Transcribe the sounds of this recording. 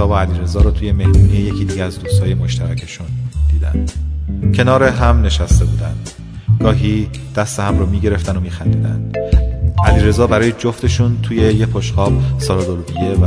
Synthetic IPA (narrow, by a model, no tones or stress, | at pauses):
ɒːboæliːɾe̞zɒːɾɔːt̪ʰuːje̞me̞hmuːnijeje̞cʰiːd̪iːɟeæzd̪uːst̪hɒːje̞moʃt̪ʰæɾæcʰe̞ʃund̪̥iːd̪æ̰nd̪cʰe̞nɒːɾeɦæmne̞ʃæst̪e̞buːd̪ænd̪̥ | ɡ̥ɒːɦid̪̥æst̪ehæmɾoːmiːɟe̞ɾe̞ft̪ænomiːxænd̪iːd̪æ̰nd̪̥ | ʔæliːɾe̞zɒːbæɾɒːjed͡ʒoft̪e̞ʃunt̪ʰuːje̞jepʰoʃxɒːbsɒɾɒd̪olbijev